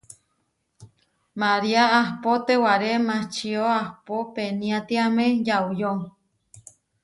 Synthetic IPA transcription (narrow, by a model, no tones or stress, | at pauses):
maɾiaahpot̪ewaɾemãt͡ʃioahpopenĩat̪iamẽjaujoŋ